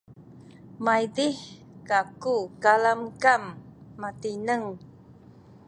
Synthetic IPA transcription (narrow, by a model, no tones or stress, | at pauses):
majdih | kakukalamkamːatinəŋ